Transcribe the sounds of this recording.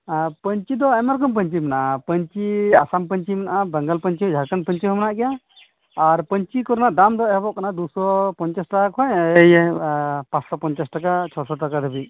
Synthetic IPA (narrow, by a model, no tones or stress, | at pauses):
pəɲt͡ʃid̪ɔɛmaɾkɔmp̬əɲt͡ʃimanaʔapəɲt͡ʃiasampəɲt͡ʃimanaʔabəŋɡalpəɲt͡ʃiɦɔd͡ʒʱakənpəɲt͡ʃiɦɔmanaʔɡɛjaː | ɾpəɲt͡ʃikɔɾnaʔd̪amd̪ɔɛhbɔʔkanad̪usɔpɔɲt͡ʃasʈakakʰɔɲəj | pãt͡ʃsɔpɔɲt͡ʃasʈakat͡ʃʰɔɾsɔʈakad̪ʱəbi